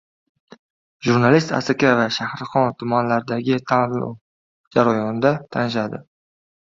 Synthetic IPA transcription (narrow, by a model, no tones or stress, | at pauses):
ʒuɾnalist̪a̰sakʲavaʃahɾχɒnt̪ʰʊmanlaɾɪd̪aɡʲɪt̪ʰa̰ | d͡ʒaɾajɒnd̪at̪ʰanɪʃ̬ad̪ɪ